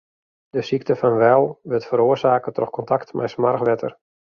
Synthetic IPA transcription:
dəsiktəfɑnʋɛlˠʋɪtfəɾoərsaːkətɔ̰xkɔntaktmʔɛ̰jsmarxʋɛtʰə̰r

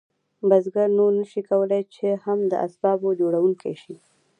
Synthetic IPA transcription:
bazɡaɾnoɾnaʃikawəlajt͡ʃehamd̪ə̰ʔa̰sbɑbod͡ʒoɽawuŋkaʃi

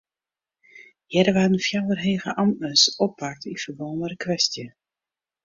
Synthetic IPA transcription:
jɛɾəʋaənfjawərɦejɣə̰ʔɑmtnəsɔpːak̚tifərbɔnəɾəkʋɛstjə

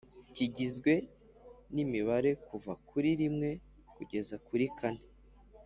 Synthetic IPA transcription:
ciɟizɡwe̞ | nimiβaɾe̞kuvakʰuɾiɾimŋe̞ | kuɟe̞zakuɾikane

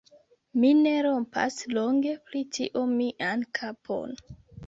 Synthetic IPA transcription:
mineɾo̞mpa̰sloŋɡe̞pɾitiʔomiʔankʰapʰo̞̰n

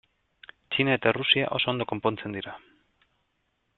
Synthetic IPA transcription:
t͡ʃinae̞t̪arusia̰ʔo̞̰so̞ond̪o̞ko̞mpo̞nt͡se̞nd̪iɾa

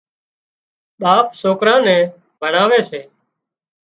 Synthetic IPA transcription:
ɓaːpsoːkɾãːnɛ̃ː | bʱəɳaːʋeːseː

